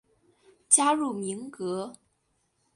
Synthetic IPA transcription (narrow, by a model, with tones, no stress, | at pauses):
t͡ɕja˥ɻu˥˩mi˧˥ŋkɤ˧˥